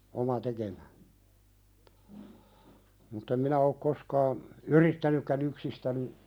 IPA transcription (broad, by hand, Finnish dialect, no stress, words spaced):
omɑ tekemæ mutː em minæ ok koskɑːn yritːænykːæn yksistæni